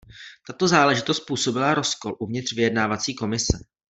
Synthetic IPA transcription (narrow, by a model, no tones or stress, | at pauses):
t̪at̪o̞zaːlɛʒɪt̪o̞st̪̚puːso̞bɪlaɾo̞sko̞lʔuvɲɪt̪r̥vɪjɛdnaːvat͡siːko̞mɪsɛ